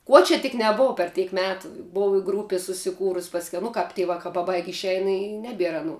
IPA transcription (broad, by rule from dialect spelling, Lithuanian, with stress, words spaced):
ˈkuɔ t͡ʃʲɛ tʲɪk nʲɛˈboːw pʲɛr ˈtʲɛɪk ˈmʲæːtʊ ˈboːw ɪ ˈɡruːpʲɪ sʊsʲɪˈkuːrʊsʲ pɐsʲˈkʲɛʊ nʊ ˈkɐp tʲɪ ˈʋɑːkɑː pɐˈbɐɪkʲ ɪʃʲˈɛɪn ɪ ˈnʲæːbʲiɛr ɐˈnuː